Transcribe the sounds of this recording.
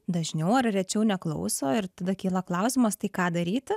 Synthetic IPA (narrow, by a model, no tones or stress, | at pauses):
d̪ɐʒʲnʲɛʊɐrrʲɛt͡ʃʲɛʊnʲɛklˠɐ̰ʊsoːɪɾt̪ɐd̪ɐkʲiːlˠɐklˠɐʊsʲɪmɐst̪ɐɪkɑːd̪ɐɾʲiːt̪ʲɪ